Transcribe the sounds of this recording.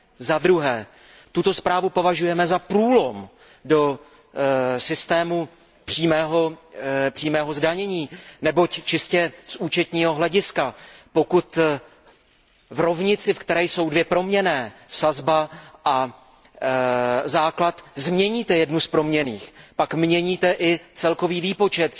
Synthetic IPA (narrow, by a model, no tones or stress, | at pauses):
zad̪ɾuɦɛː | t̪ut̪o̞spɾaːvupo̞vaʒujɛmɛzapɾuːlo̞m | do̞ | sɪst̪ɛːmu | pr̥iːmɛːɦo̞pr̥iːmɛːɦo̞zdaɲɛɲiːnɛbo̞ct͡ʃɪscɛsuːt͡ʃɛt̪ɲiːɦo̞ɦlɛɟɪskapo̞kut̪ | vɾo̞vɲɪt͡sɪfkt̪ɛɾɛjso̞wdvjɛpɾo̞mɲɛnɛːsazbaʔa | zaːklat̪zmɲɛɲiːt̪ɛjɛdnuspɾo̞mɲɛniːxpakmɲɛɲiːt̪ɛʔɪt͡sɛlko̞viːviːpo̞t͡ʃɛt̪